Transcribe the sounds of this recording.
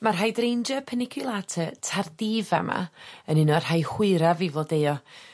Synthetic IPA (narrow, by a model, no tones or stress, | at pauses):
marɦajdrejnd͡ʒɔpʰənɪkʰɨlˠatʰətʰardiːva̰ma̰ənɪnɔr̥hajhwɪɾavivodejɔ